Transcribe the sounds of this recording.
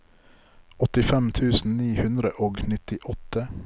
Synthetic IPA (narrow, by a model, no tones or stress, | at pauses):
ɔt̪ɪfɛmt̪ʰʉːsn̩niːhʉnd̪ɾəʔoːɡnɪt̪ɪʔɔt̪ə